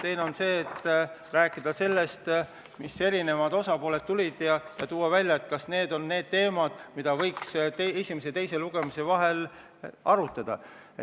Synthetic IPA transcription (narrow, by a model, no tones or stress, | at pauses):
t̪e̞jneo̞nse̞ːt̪ː | ræːkːˑid̪̥ɑse̞lːe̞st̪ | mise̞ɾine̞vɑd̪̥o̞sɑpo̞ːle̞d̪t̪t̪ːulʲid̪̥jɑjɑt̪uːwɑvælʲːjɑet̪kɑsne̞ːd̪o̞nːe̞ːd̪̥t̪e̞ːmɑd̪̥mid̪̥ɑvɤ̞jksesʲimes̬e̞t̪e̞jse̞luɡ̥e̞mise̞vɑɦe̞l | ɑɾut̪ːˑɑd̪̥ɑ̰